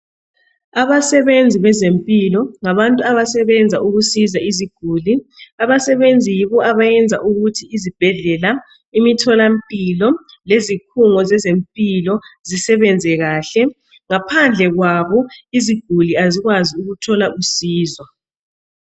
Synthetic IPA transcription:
aβasɛβend͡zʱiβɛzempʼilɔŋaβantʼuaβasɛβɛnd͡zʱaʔuɣusizaiziɡ̥ʱuːliaβasɛβend͡zʱijiβɔʔaβajɛnd͡zʱaʔuɣutʰiizib̥ʱɛɮɛla | imitʰɔlampʼilɔ | lezikʰuŋɔzɛzempʼilɔzisɛβɛnd͡zʱɛɣaːɬɛ | ŋapʰand͡ɮʱɛɣwaβɔiziɡ̥ʱuliaziɣwaziuɣutʰɔlaʔusiːzwa

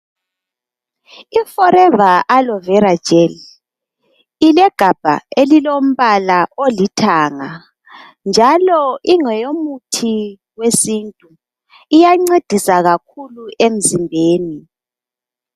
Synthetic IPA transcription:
ifɔɾɛvaʔalɔvɛɾad̥ʒ̥ʱʼeli | ilɛɡ̥ʱab̥ʱa̰elilom̩βalaʔolitʰaːŋa | nd͡ʒʱalɔʔiŋɛjomutʰi | wesintʼu | ijaŋ͡ǀed̥ʱisaɣakʰuluʔem̩zimbʱeːni

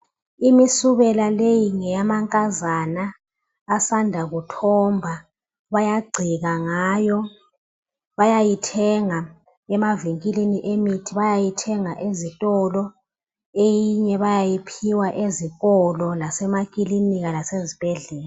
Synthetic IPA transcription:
imisuβɛlalejiŋɛjamaŋkʼazanaː | sandʱaɣutʰɔmbʱa | βajaɡ͡ǀʱiɣaŋaːjɔ | βajajitʰɛŋa | ɛmaviŋkʼiliniʔemitʰiβajajitʰɛŋaʔezitʼɔlɔ | ejiɲɛβajajipʰiwaʔeziɣɔlɔlasɛmakʼiliniɣalasezib̥ʱɛɮɛːla

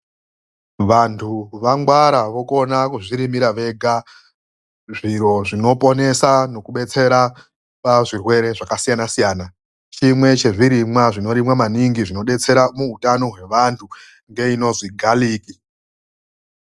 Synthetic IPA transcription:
ʋantʰuʋaŋɡwaɾaʋo̞ko̞nakuʐiɾimiɾaʋe̞ɡʱa | ʐiɾo̞ʐino̞po̞ne̞sano̞kuɓe̞t͡se̞ɾa | paʐirwe̞ɾe̞ʐakasijanasijaːna | t͡ʃimwe̞t͡ʃe̞ʐiɾimwaʐino̞ɾimwamaniŋɡiʐino̞ɗe̞t͡se̞ɾamuɦutano̞ɦwe̞ʋantʰu | ŋɡe̞ino̞ziɡʱaliːki

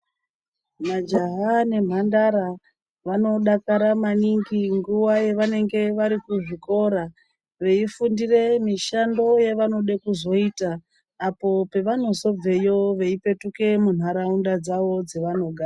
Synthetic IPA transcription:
mad͡ʒaɦane̞m̤andaɾa | ʋano̞ɗakaɾamaniŋɡiŋɡuwaje̞ʋane̞ŋɡe̞ʋaɾikuʐiko̞ɾa | ʋe̞ifundire̞miʃando̞jeʋano̞ɗekuzo̞itaː | po̞pe̞ʋano̞zo̞b͡ve̞jo̞ʋe̞ipe̞tuke̞mun̤aɾaundad͡zaʋo̞d͡ze̞ʋano̞ɡʱaː

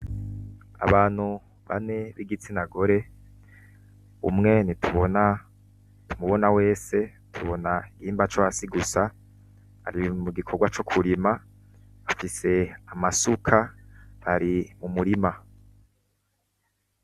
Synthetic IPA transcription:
a̰βaːn̥hu | βa̰ne̞βiɡit͡sinaɡo̞ɾe̞ | ṵmŋe̞nitʰuβona | tʰumuβo̞nawe̞ːse̞ | tʰuβo̞naiɡiːmbat͡ʃoasiɡusa | a̰ɾimuɡikʰoɡwat͡ʃo̞kʰuɾima | afise̞amasukʰahaɾimumuɾima

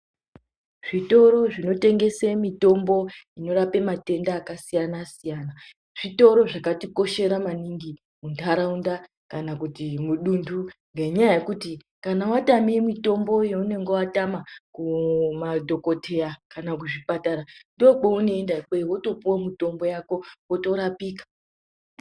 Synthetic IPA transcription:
ʐ̥ito̞ɾo̞ʐino̞te̞ŋɡe̞semito̞mbo̞ino̞ɾape̞mate̞ndaːkasijanasijaːna | ʐ̥ito̞ɾo̞ʐakatiko̞ʃe̞ɾamaniŋɡi | muntʰaɾaunda | kanakutimuɗunduŋɡe̞ɲajaje̞kuti | kanawatamiemito̞mbo̞jeune̞ŋɡewatamakumadʱo̞ko̞tʰe̞jakanak̬uʐipataɾandiok͡peuneendaik͡pewo̞to̞puwomito̞mbo̞jako̞woto̞ɾapiːkḁ

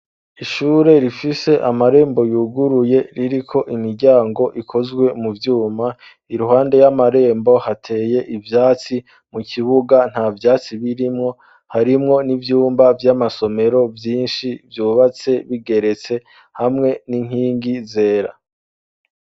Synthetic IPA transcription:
iʃuːɾe̞ɾifise̞ʔamaɾe̞ːmbo̞juɡuɾuje̞ɾiɾikʰo̞ʔimiɾɟaːŋɡo̞ʔikʰo̞zɡwe̞muvjuːma | iɾuɦaːnde̞jamaɾe̞ːmbo̞hatʰe̞ːje̞ʔivjaːt͡si | muciβuɡan̥haːvjaːt͡siβiɾimŋo̞ | haɾimŋo̞nivjuːmbavjamaso̞me̞ɾo̞vjiːnʃivjuːβat͡se̞βiɡe̞ɾe̞t͡se̞ | hamŋe̞niŋ̥hiːŋɡize̞ːɾa̰

